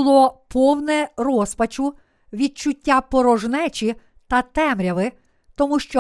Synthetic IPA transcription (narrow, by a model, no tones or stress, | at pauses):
lˠɔpʰɔwnɛrɔspɐt͡ʃʊ | ʋʲid̪̚t͡ʃʊtʲːapɔɾɔʒnɛt͡ʃʲi | t̪ɐt̪ɛmɾʲɐʋɪ | t̪ɔmuʃt͡ʃɔ